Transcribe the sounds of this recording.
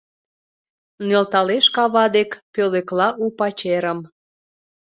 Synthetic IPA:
nelt̪ɑleʃkɑβɑd̪ekpøleklɑʔupɑt͡ɕeɾəm

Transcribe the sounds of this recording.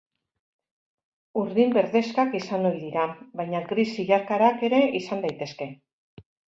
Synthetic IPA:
uɾðimbe̞ɾðe̞skakisanoiðiɾabajɲakɾisiɣaɾkaɾake̞ɾe̞ʔisand̪ajt̪e̞ske̞

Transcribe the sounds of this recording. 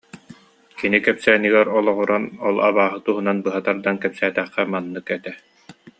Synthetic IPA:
kinikɛpsɛːniɡɛɾɔlˠɔʁɔɾɔnɔlˠa̰βaːɦɯt̪uɦunanbɯɦat̪aɾd̪ankɛpsæːt̪ɛχqɛmanːɯkɛt̪ɛ

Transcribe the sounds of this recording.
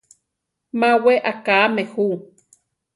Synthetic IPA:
maweʔakaːmehu

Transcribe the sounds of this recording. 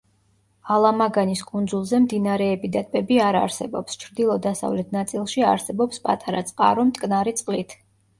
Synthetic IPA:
alˠamaɡaniskʼund̪zulˠzɛmd̪inaɾɛːbid̪at̪̚ʼpʼɛbiaɾa̰ɾsɛ̰bɔ̰pst͡ʃʰɾd̪ilˠɔd̪asa̰vlɛt̪ʰnat̪sʼilˠʃia̰ɾsɛbɔpspʼat̪ʼaɾa̰t̪sʼqʼa̰ɾɔmt̪ʼkʼnaɾit̪sʼqʼlit̪ʰ

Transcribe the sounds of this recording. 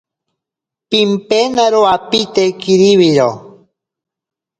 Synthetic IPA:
pimpenaɾoapit̪ekiɾiβiɾo

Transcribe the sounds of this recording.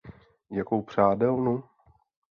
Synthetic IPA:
jakowpr̝̥aːdɛlnu

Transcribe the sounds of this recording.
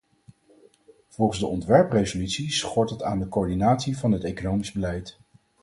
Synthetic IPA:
v̥ɔlˠχənzdəɔntʋɛɹprejzolytsisχɔɹtətaːndəkoːɹdinaːtsivɑnɦətejkonowmizbəlɛjt

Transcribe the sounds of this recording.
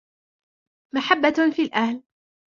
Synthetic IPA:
maħabːafiːlʔahl

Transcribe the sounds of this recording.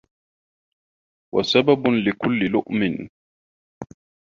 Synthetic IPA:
wa̰sabablɪkʊlːɪlʊʔmɪn

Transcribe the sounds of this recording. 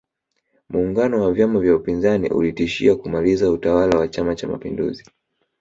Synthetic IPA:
muːŋɡanɔwavjamavjaupinzanḭʔṵlitiʃiakumalizautawalawat͡ʃamat͡ʃama̰pḭndṵzi

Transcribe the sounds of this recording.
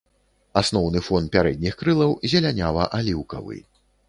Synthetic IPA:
asnɔwnɨfɔnpʲaɾɛd̪̚ʲnʲixkɾɨlˠɐwzʲɛlʲanʲavɐʔalʲiwkɐ̰vɨ̰j

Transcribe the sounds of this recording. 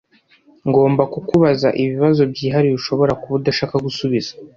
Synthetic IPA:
ŋɡo̞ːmbakukuβaza̰ʔiβiβazo̞bɟiːɦaɾiβiʃo̞βo̞ɾakuβudaʃaːkaɡusuβiz̥ḁ

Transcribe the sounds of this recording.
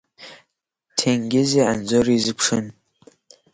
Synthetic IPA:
tʰeŋɡʲɪzeːʕanzoriːzɨkʷʂɨn

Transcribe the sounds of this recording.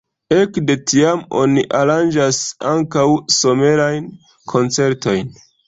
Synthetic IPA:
e̞kde̞tiamo̞niʔaɾand͡ʒasaŋkawso̞me̞ɾajn | kʰo̞nt͡se̞ɾto̞jn

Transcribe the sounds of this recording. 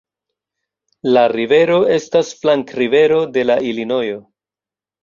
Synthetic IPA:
laɾive̞ɾo̞e̞stasflaŋkɾive̞ɾo̞de̞laʔilino̞jo̞

